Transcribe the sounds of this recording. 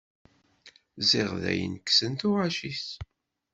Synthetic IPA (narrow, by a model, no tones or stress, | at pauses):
zɪʁðæ̰jə̰nkːsənt̪ʊʁaʃiθ